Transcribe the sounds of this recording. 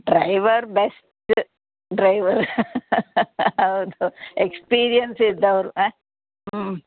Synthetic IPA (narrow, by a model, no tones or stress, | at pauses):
ɖɾaɪʋəɾbes | ʈ | ɖɾajʋəɾ | ɐʊd̪uekspiːɾijənsid̪ɐɾu